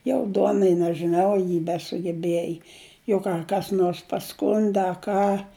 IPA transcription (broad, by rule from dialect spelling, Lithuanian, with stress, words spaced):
jɛʊ ˈduɔnɐɪ nʲɛʒʲɪˈnɐʊ ɐ ˈjɪ bʲɛsʊɡʲɛˈbʲjiɛjɪ jɛʊ ˈkɑː kɐs ˈnoːrs pɐˈskʊnʲdʲɪ ɐ ˈkɑː